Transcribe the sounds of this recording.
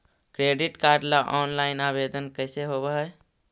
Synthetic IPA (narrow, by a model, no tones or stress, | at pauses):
kɾeːɖɪʈkaːɾɖlaʔɔːnlaːɪnaːbeːd̪ənkəɪseɦobeɦ